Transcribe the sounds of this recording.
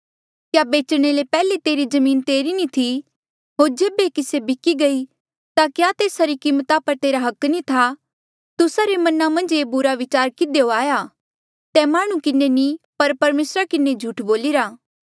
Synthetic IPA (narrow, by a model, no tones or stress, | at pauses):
kjaːbeːt͡ʃɽ̃elepɛːlet̪eːɾid͡ʒɐmiːnt̪eːɾinit̪ʰi | ɦoːɾd͡ʒeːbekɪsebɪkiɡɐi | t̪akjaːt̪eːsaɾikiːmət̪apəɾt̪eːɾaɦɐknit̪ʰa | t̪ʊsaɾemɐnamɐ̃nd͡ʒeːbʊɾaʋɪt͡ʃaːɾkɪd̪eoaːja | t̪ɛmaːɽ̃ũkɪnenipɐɾpɐɾmeːsɾakɪned͡ʒʱuːʈʰboːliɾaː